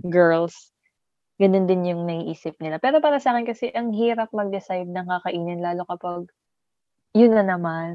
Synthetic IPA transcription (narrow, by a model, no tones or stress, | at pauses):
ɡɛɹls | ɡɐno̞nd̪ɪnjʊŋnɐhiʔiːsɪp̚nɪlapɛːɾo̞paːɾɐsɐʔaːkɛnkɐsɛʔɐŋɦiːɾɐp̚mɐɡ̚d̪ɛsajd̪̚nɐŋkɐkɐʔiːnɪnlaːlo̞kɐpɐɡ̚ | jʊnːɐnɐman